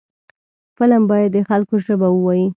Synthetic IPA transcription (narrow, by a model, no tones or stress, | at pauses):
fəlambɑjad̪ːəxalkoʒəbawəwɑji